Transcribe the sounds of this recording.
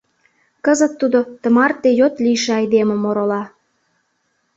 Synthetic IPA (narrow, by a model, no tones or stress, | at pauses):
kəzət̪ːud̪ot̪ə̆mɑrt̪ːejot̪liʃeɑjd̪emə̆moɾolɑ